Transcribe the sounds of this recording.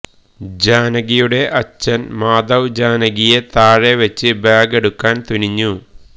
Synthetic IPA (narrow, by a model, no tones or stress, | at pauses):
d͡ʑaːnɐɣijuɽe̞ʔɐt͡ɕːɐnmaːd̪ɐwd͡ʑaːnɐɡije̞t̪aːɻe̞ʋet͡ɕːɨbaːɡe̞ɽukːaːnt̪uniɲːu